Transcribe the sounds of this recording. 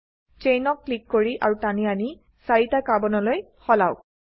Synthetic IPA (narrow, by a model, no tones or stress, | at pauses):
t͡ʃejnɔk̚ːlikːoɹiʔa̰ɹutaniani | saɹitakabɔnɔloj | xɔlaw